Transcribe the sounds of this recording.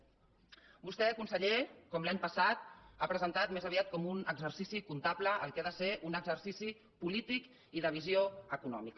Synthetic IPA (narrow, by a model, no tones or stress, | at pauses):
bust̪ɛkunsəʎekɔmlaɲpəsat̪̚apɾəzənt̪at̪̚mezəβiat̪̚kɔmunəɡzərsisikunt̪apləəlˠkaðəseʔunəɡzərsisi | pulit̪ik | iðəβ̞izioəkunɔ̰mikə